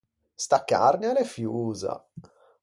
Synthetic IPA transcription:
st̪akːa̰rnjalefjuːza̰

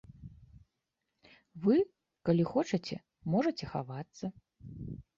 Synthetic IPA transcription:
vɨ | kalʲixɔt͡ʂɐt͡sʲɛ̰ | mɔʐɐt͡sʲɛxa̰vat̪sːɐ

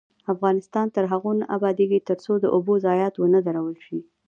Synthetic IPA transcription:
afɣɑnɪst̪ɑnt̪əɾɦaɣonaʔabɑd̪eɡit̪əɾsod̪əʔobozɑjɑt̪wənəd̪aɾawəlʃi

